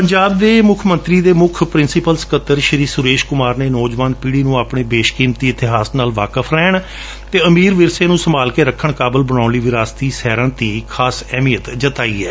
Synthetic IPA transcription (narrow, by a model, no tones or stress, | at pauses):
pəɲd͡ʒaːb̚d̪eːmʊkʰmə̃nt̪ɾiːd̪eːmʊkʰpɾɪnsɪpəlskət̪ːəɾʃəɾiːsʊɾeːʃkʊmaːɾneːnɔːd͡ʒʋaːnpiːɽiːnũːaːpɳeːbeːʃkiːmt̪iːɪt̪ɪɦaːsnaːlʋaːkəfʰɾɛːɳ̃ | t̪eːəmiːɾʋɪɾseːnũːsəmaːlkeːɾəkʰːəɳkaːbəlbəɽ̃aːʊnliːʋɪɾaːst̪iːsɛːɾãːt̪iːkʰaːsɛːmiːjət̪d͡ʒət̪aːḭːɛ̰ː